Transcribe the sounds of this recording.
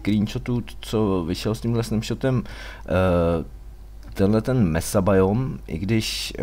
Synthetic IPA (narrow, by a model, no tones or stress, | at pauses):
kɾiːnʃot̪uːt͡sovɪʃɛlsciːmlɛsnɛmʃot̪ɛm | t̪ɛnɦlɛt̪ɛnmɛsabajomʔɪ̰ɡdɪʃ